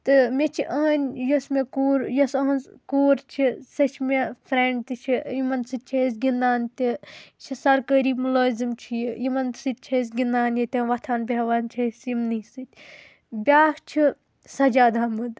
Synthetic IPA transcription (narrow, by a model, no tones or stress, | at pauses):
t̪ɨmet͡ʃʰiʔɐnʲjɐsmekuːɾjɐsɐɦɐnzkoːɾt͡ʃʰisɐt͡ʃʰmepʰɾeɳɖt̪ɨt͡ʃʰijimɐnsɨt̪̚ʲt͡ʃʰɐis̬ɡinːaːnt̪it͡ʃʰisɐɾkəɾiːmuloːzimt͡ʃʰijijimɐnsɨt̪̚ʲt͡ʃʰɐs̬ɡinaːnjit̪ʲɐ̃ʋɐt̪ʰaːnbʲeʋaːnt͡ʃʰɐsimnisɨt̪̚ʲ | bʲaːht͡ʃʰi | sɐd͡ʒaːd̪aːmɨd̪